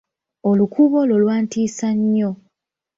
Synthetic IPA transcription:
olukʰuβo̞lolwaːntiːsaɲːo̞

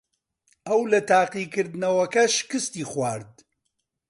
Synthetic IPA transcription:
ʔɐwlɐt̪aːqikɨɾd̪ɨnɐwɐkɐʃkɨst̪iːχwaːɾd̪̚

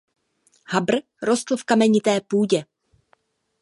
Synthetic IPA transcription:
habr̩ | ɾost̪l̩fkamɛɲɪt̪ɛːpuːɟɛ

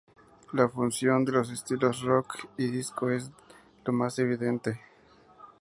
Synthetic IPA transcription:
lafunsjo̞nd̪e̞lo̞s̬est̪ilo̞srokiðisko̞e̞z | lo̞mase̞β̞iðe̞nt̪e

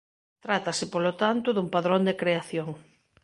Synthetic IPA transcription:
t̪ɾat̪ɐsɪpolot̪ant̪ʊðumpaðɾõnd̪ekɾeaθjoŋ

